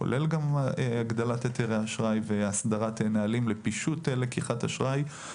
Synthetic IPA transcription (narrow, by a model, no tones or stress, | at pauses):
o̰lʔelɡamaɡd̪alat̪et̪eʁeaʃʁajveasd̪aʁatenaalimlepiʃutelekiχataʃʁaj